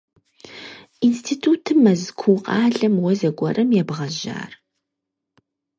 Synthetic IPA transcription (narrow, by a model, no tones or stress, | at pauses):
instʰiːtʰuːtʰɨmɐzkʷʰuːqʼɑːɮɐmwɔzɐɡʷɔrɐmjɛbʁɐʒa̰ːr